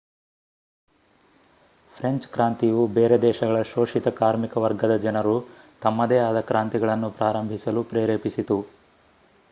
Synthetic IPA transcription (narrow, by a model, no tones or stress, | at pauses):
pʰɾeɲt͡ʃkɾaːnt̪ijubeːɾed̪ɛːʃɐɡɐɭɐʃoːʂit̪ɐkaːɾmikɐʋɐɾɡɐd̪ɐd͡ʒɐnɐɾu | t̪ɐmːɐd̪ɛːaːd̪ɐkɾaːnt̪iɡɐɭɐnːupɾaːɾɐmbʱisɐlupɾeːɾeːpisit̪u